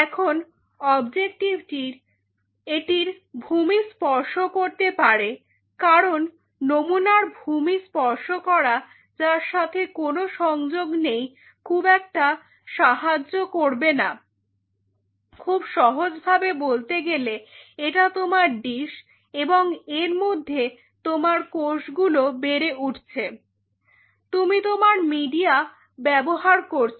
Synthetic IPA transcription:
ɛkʰon | ɔbd͡ʑek̚ʈibʈiɾ | eʈiɾ | bʱumispɔɾʃokoɾt̪epaɾe | kaɾonː | omunaɾbʱumispɔɾʃokɔɾa | d͡ʑaɾʃat̪ʰekonoʃɔŋd͡ʑoɡnej | kʰubɛk̚ʈa | ʃaɦad͡ʑːokoɾbena | kʰubʃɔɦod͡ʑbʱabebolt̪eɡeleeʈat̪omaɾɖiʃ | eboŋeɾmod̪ʱːe | t̪omaɾkoʃɡulobeɾeʔuʈʰt͡ɕʰe | t̪umit̪omaɾmiɖia | bɛboɦaɾkoɾt͡ɕʰ

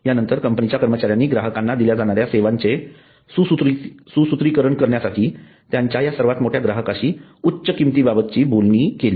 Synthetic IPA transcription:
janənt̪əɾkəmpənit͡ɕjakəɾmət͡ɕaɾjanːiːɡɾaɦəkãnːad̪iljad͡zaɽ̃aɾjaseʋaɲt͡se | suut̪ɾisusut̪ɾikəɾəɳkəɾɳjasaʈʰiː | t̪jaɲt͡ɕjajasəɾʋat̪moʈʰjaɡɾaɦəkaɕiːutːɕəkimt̪ibabət̪̚t͡ɕiːbolɳiːkeliː

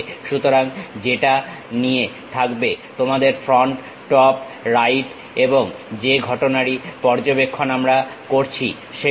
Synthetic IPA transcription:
ʃut̪oɾaŋd͡ʑeʈa | nije | t̪ʰakbet̪omad̪eɾfɾɔɳʈː | ɔp | ɾajʈ | eboŋd͡ʑeɡʱɔʈonaɽipɔɾd͡ʑobekʰːonamɾakoɾt͡ɕʰḭ | ʃe

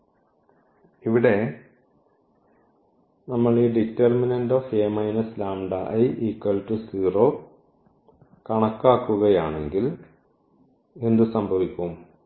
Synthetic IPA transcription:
iʋiɽe̞ | nɐmːɐɭiːɖitːerminɐndoːfeːmɐjnɐslaːmɖɐʔɐjʔiːkːɐltːɨsiːro̞ː | kɐɳɐkːaːkːuɣɐjaːɳe̞ŋɡil | e̞nd̪ɨsɐmbʱɐʋikʲːum

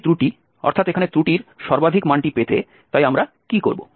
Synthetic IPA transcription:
t̪ɾuʈi | ɔ̰ɾt̪ʰat̪ekʰanet̪ɾuʈiɾʃɔɾbad̪ʱikmaɳʈipet̪ʰe | t̪ajamɾa | kiko̰ɾbo̰

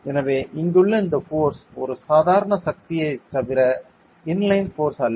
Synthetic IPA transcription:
ɛnɐʋeːʔɪŋɡɯɭːɐɪnd̪ɐfoːɾsɔɾɯsaːðaːɾɐɳɐsɐk̚t̪ɪjɐɪt̪ːɐʋɪɾɐ | ɪnlɐɪnfoːɾsɐlː

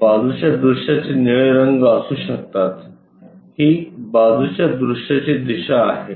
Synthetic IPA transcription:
bad͡zut͡ɕjad̪ɾuʂʈjat͡ɕeniɭeɾəŋɡəsuːɕək̚t̪at̪ | hiːbad͡zut͡ɕjad̪ɾuʂʈjat͡ɕid̪iɕaːɦe

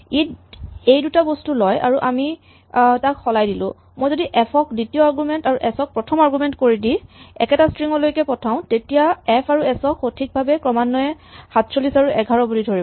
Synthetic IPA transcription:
itejdutabostulɔja̰ɹuʔami | takxɔlajdilʊ̰̃ | mojzodiʔɛpʰɔk̚ditiɔaɹɡumɛntaɹuʔɛsɔk̚pɹɔtʰɔmaɹɡumɛntkoɹidiɛ̰kɛtastɹiŋɔlojkɛpɔtʰaʊ̃tetijaɛpʰaɹuɛsɔkxotʰik̚bʱabɛkɹɔmanːɔɛxatsolisaɹuʔɛɡʱaɹɔbulidʱoɹibɔ

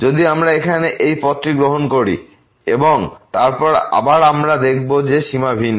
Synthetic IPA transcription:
d͡ʑod̪iamɾaekʰaneʔejpɔt̪ːɾiɡɾoɦonkoɾḭ | ḛboŋt̪aɾpɔɾa̰baɾamɾad̪ek̚ʰbod͡ʑeʃimabʱin

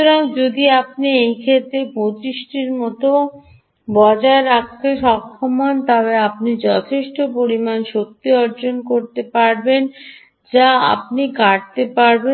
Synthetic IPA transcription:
oɾaŋd͡ʑod̪iap̚niejkʰet̪ɾepɾot͡ɕiʃʈiɾmɔt̪o | bɔd͡ʑaeɾak̚ʰt̪eʃɔkʰːomont̪ɔbeapnid͡ʑɔt̪ʰeʃʈopoɾimanʃok̚t̪iɔɾd͡ʑonkoɾt̪epaɾben | d͡ʑaa̰p̚nikaʈ̚t̪epaɾbe

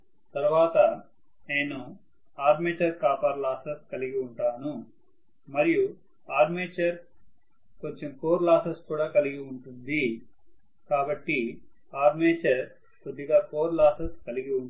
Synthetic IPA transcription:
t̪ɐɾʋaːt̪ɐ | neːnu | aːɾmeːt͡ʃɐɾkaːpaːɾlaːsɐskɐliɡiuɳʈaːnu | mɐɾiju | aːɾmeːt͡ʃɐɾ | koɲt͡ʃemko̞ːɾlaːsɐskuːɽaːkɐliɡiuɳʈund̪i | kaːbɐʈːi | aːɾmeːt͡ʃɐɾ | pud̪iɡaːkoːɾlaːsɐskɐliɡiu

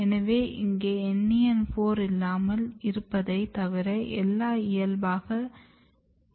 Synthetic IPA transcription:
ɛnɐʋeːʔɪŋɡeːɛnːɪjɐnfoːɾɪlːaːmɐlɪɾɯpːɐðɐɪt̪ɐʋɪɾɐʔɛlːaːɪjɐlbaːɣɐ

